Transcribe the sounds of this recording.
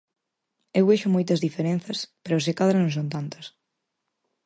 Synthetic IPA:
ewβejʃʊmojt̪ɐzðifeɾẽnθɐspeɾʊsekaðɾɐnõŋsõnt̪ant̪ɐs

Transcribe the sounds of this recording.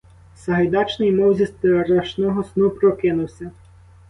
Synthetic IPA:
sɐɦɐjd̪ɑt͡ʃnɪjmɔwzʲist̪ɾɐʃnɔɦɔsnupɾɔkɪnʊwsʲɐ

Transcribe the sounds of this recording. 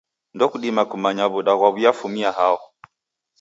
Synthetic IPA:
ndɔkuɗimakumaɲaβuɗaɣwaβijafumiaɦaɔ

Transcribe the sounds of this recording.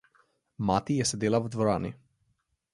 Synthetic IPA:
maːt̪ijɛsed̪eːlaʋd̪ʋoɾaːnḭ

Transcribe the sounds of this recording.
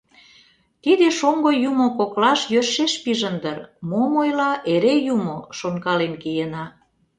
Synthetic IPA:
t̪id̪eʃoŋɡojumokoklɑʃjøʃeʃpiʒə̆nd̪ərmomojlɑʔeɾejumoʃoŋkɑlenkijənɑ

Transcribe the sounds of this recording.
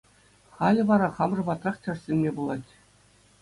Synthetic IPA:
χɑlʲɘ̆ʋɑɾɑχɑmʐɤ̆bɑt̪rɑχt͡ɕʲɤ̆rsʲelʲmʲebulˠɑtʲ

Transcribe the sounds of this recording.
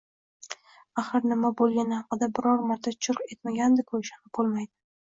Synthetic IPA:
aχɨɾnɪmabolˠɡʲanɪhɑqɨd̪abɪɾɒɾmaɾt̪ʰat͡ʃʰʊɾqe̞t̪maɡʲand̪ɪkʰojɪʃanɪbolˠmajd̪ɪ

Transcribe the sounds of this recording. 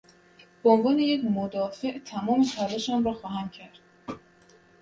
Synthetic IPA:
beonvɒːne̞jecmod̪ɒːfe̞ʔt̪ʰæmɒːmepʰæɾeʃæmɾɒːxɒːɦæmcʲʰæɾd̪̥̚

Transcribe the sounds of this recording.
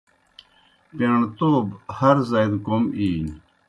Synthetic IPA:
peɳt̪oːbhɐɾzɐjd̪komiːɲ

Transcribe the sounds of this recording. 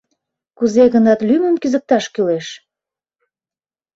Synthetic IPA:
kuzeɣənɑt̪lyməmkyzək̚t̪ɑʃkyleʃ

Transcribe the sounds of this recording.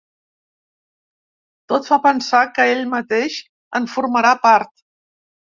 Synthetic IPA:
t̪ot̪fapənsakəeʎmət̪eʃ | əɱfuɾməɾapaɾt̪

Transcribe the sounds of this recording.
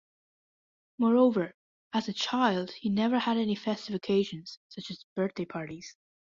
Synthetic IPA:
mɔɹoʊvə˞ | ɨzɨt͡ʃʰaɪlˠd̥hinɛvə˞ɨɾɛnifɛstɪfɨkʰeɪʒɨ̃nz̥sʌt͡ʃɨzb̥ɜ˞θ̚d̥eɪpʰɑɹɾiz̥

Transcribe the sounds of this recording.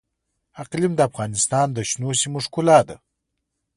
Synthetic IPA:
aqlimd̪əafɣɑnɪst̪ɑnd̪əʃnosimuʂkʊlɑd̪a̰

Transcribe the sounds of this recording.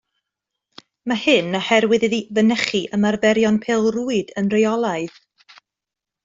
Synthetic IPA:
mahɨnəhɛɾwɨðɨðivənɛχiʔəmarbɛɾjɔnpʰeːlˠruɨdənrejɔlˠaɨð

